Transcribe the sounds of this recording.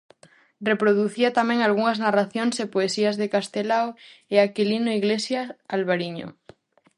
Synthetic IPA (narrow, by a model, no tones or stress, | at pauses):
repɾoð̞uθiat̪amɛ̃ŋalɣuŋaznaraθjoŋsepoesiazðekast̪elaweakilinoiɣlesjaalβaɾiɲo̰